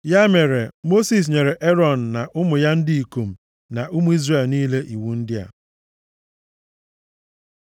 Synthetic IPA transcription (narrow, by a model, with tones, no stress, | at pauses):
ja˦me˨ɾe˨mo˦si˨s̬ɲe˨ɾe˨ʔe˦ɾɔ˨n̩˨na˨ʔʊ˦mʊ˨ja˦n̩˦dɪ˦i˨ku˨m̩˨ | na˨ʔu˦mʊ˦i˦zre˨lniː˦le˦ʔi˨wu˨n̩˦dɪ˦a̰˨